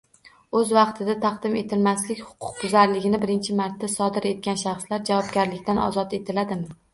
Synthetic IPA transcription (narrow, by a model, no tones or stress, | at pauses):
ɵzvɑqt̪ʰɪd̪at̪ʰɑqd̪ɪme̞t̪ʰɪlmaslɪkʲhʊ̥qʰʊ̥q̚bʊzaɾlɪɡʲɪnɪbɪɾɪnt͡ʃʰɪmaɾt̪ːasɒd̪ɪɾe̞t̪̚ɡʲanʃɑχslaɾd͡ʒavɒb̚ɡʲaɾlɪkʲt̪ʰanɒ̰zɒt̪e̞t̪ʰɪlad̪ɪmɪ